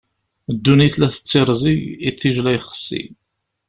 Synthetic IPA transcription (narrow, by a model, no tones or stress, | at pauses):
d̪ːuniθlæθə̥t͡sːeɾˤziʝiθːiʒlæjχə̥sːḭ